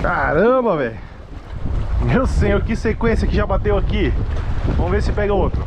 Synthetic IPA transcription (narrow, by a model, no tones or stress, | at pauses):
kaɾɐ̃bɐvẽj | ewsẽjoɾkɪsekwẽsjɐkɪʒabat̪ewakivɐ̃w̃veɾsɪpɛɡɐot̪ɾʊ